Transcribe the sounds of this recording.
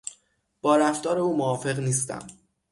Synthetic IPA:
b̥ɒːɾæft̪ɒːɾe̞uːmoɒːfe̞ɣniːs̬t̪æ̰m

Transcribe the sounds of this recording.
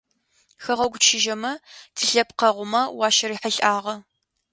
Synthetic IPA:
xɐʁɐɡʷʊʃɪʒɐmɐtʰɨɬɐpqɐʁʷʊmɐwɑːʃɐɾiːħəɬʼʔaːʁɐ

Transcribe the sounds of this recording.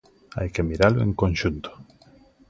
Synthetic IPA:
a̰jkemiɾalʊḛŋkonʃunt̪o̥

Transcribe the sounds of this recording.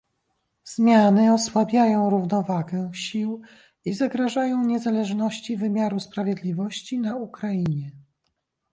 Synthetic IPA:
z̥mʲjanɘɔswabʲjajɔ̃w̃ɾuvnɔvaɡɛ̃ɕiw | izaɡɾaʐajɔ̃w̃ɲɛzalɛʐnɔɕt͡ɕivɘmʲjaɾuspɾavʲjɛd̪lʲivɔɕt͡ɕinaukɾaiɲɛ

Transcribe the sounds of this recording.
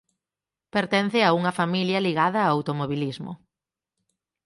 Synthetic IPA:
peɾt̪ɛn̟θɪauŋɐfamiljɐliɣaðɐːawt̪omoβilizmʊ̰

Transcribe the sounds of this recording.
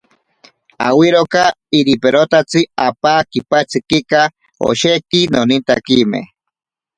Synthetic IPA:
a̰wiɾoka | iɾipeɾot̪at͡sɨapakipat͡sɨkika | o̰ʃekinonint̪a̰kimḛ

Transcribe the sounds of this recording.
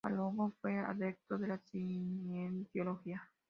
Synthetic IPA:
a̰loβofea̰ðek̚t̪od̪eɾasiɲent̪eoloxia

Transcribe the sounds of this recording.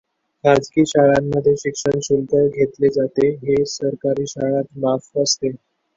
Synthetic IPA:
ɾad͡zkiːɕaɭamːəd̪ʱːjeɕikʂəɳsuld̪əɾɡʱet̪led͡zat̪eɦesəɾkaɾiːɕaɭat̪mafəst̪e

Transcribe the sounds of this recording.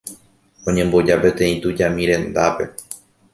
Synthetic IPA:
õ̞ɲẽ̞mbo̞d͡ʒape̞t̪ẽ̞ĩt̪ud͡ʒamĩɾẽ̞nd̪ape̞

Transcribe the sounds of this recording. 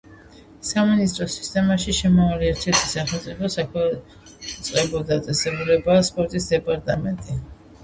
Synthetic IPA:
saminist̪ʼɾɔsi̥st̪ʼɛmaʃiʃɛmavaliɛɾt̪ʰɛɾt̪ʰi̥saχɛlˠt̪sʼipʰɔsakʰwɛ | ut̪sʼqʼɛbɔd̪at̪sʼɛsɛbulɛbaːspʼɔɾt̪ʼisd̪ɛpʼaɾt̪ʼamɛnt̪ʼi

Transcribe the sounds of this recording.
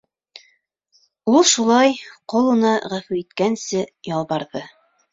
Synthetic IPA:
ulˠʃulˠɑjqŏlˠŭnɑʁæfʉɾit̪kænsɘjɑlˠβɑɾðɤ

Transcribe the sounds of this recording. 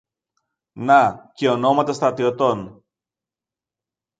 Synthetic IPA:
nɐceono̞mɐt̪ɐst̪ɾɐt̪iot̪o̞n

